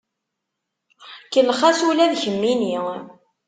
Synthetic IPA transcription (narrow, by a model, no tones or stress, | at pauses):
kəlːχæsulæðçəmːini